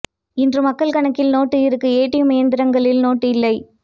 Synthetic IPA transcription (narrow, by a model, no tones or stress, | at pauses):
ɪndrɯmɐkːɐɭkɐɳɐkːɪlnoːʈːɯɪɾɯkːɯeːʈːɪjɯmɐjɐnd̪ɪɾɐŋɡɐɭɪlnoːʈːɯɪlːɐɪ